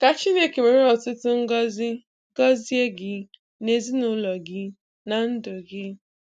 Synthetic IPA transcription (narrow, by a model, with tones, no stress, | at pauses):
ka˨t͡ʃɪ˦ne˦˨ke˨me˨ɾe˦ɔ˨tʊ˦tʊ˦ŋ̩˦ɡɔ˦zɪ˦ | ɡɔ˦zi˦e˦ɡɪ˦ | ne˨zi˦nʊ˦lɔ˨ɡɪ˦ | na˨n̩˦dʊ˨ɡɪ˦